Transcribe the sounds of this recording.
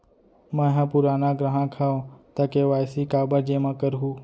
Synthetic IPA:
mãːɦãːpʊɾaːnaːɡɾəɦãːkʰaːõt̪aːkeːʋaːjsiːkaːbaːd͡ʒeːmãːkəɾɦuː

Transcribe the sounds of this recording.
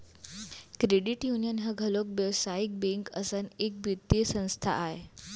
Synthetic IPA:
kɾeɽiʈjunijənɦəɡʱəlok̚ʋjəʋsajik̚bẽŋkəsənek̚bʱut̪ːiəsə̃w̃st̪ʰa̰ʔaɦe

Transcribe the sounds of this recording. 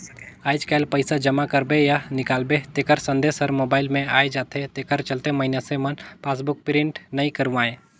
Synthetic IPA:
aːɪd͡ʒkaːlpəɪsad͡ʒəmakəɾbejanɪkaːlbet̪eːkəɾsə̃nd̪eːsəɾmoːbaːɪlmẽaːed͡ʒaːt̪et̪eːkəɾt͡ʃəlt̪eməɪnjasemənpʰaːs̬bʊk̚pɾɪ̃ɳʈnəĩkəɾuʋãːẽː

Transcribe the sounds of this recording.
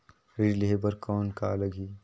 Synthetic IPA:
ɾɪlebəɾkɔːnkaləɡiː

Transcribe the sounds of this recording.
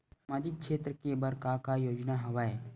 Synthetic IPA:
maːd͡ʒɪk̚ʃʰeːt̪ɾəkebɐɾkakajoːd͡ʒnaɦɐʋaːe

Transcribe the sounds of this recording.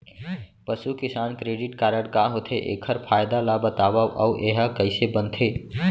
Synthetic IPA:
pəsukɪsaːnkɾeɖɪʈkaːɾəɽkaɦot̪ʰeʔḛkʰəɾpʰaːjd̪alabət̪aːbaʔa̰uʔeɦakəɪsebənt̪ʰe

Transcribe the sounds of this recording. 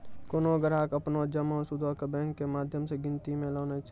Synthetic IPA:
koːnoɡəɾakəpnod͡ʒəmɔːɾsʊd̪ʱokebɛ̃ːŋkːemaːd̪ʱjəmseɡɪ̃nt̪imẽlɔːnet͡ʃ

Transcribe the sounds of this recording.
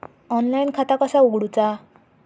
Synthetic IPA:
ɔnlajnkʰat̪akəsauɡɽut͡sa

